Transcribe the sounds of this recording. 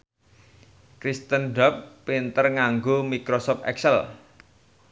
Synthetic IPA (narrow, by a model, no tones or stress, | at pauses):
kɾist̪ənɖapːint̪ərŋaŋɡomikɾosɔp̚ɛ̰ksɛl